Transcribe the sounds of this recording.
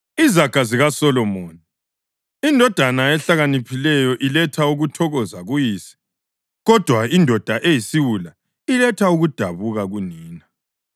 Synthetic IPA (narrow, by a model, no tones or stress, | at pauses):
izaɡ̥ʱaziɣasɔlɔmoːni | indʱɔd̥ʱanaɛɬaɣanipʰilɛjɔʔilɛtʰauɣutʰɔɣɔzaɣujiːsɛ̥ | ɣɔd̥ʱwaindʱɔd̥ʱaʔejisiwula | ilɛtʰauɣud̥ʱaβuɣaɣuniːna